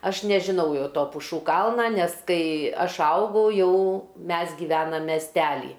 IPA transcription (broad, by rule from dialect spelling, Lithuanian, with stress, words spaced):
ˈɐʃ nʲɛʒʲɪˈnɐʊ ˈjɛʊ ˈtoː pʊˈʃuː ˈkɐlˠnɐ ˈnʲɛs ˈkɐɪ ˈɐʃ ˈɐʊɡɐʊ ˈjɛʊ ˈmʲɛs ɡʲɪˈʋʲæːnɐm mʲɛsʲˈtʲæːlʲiː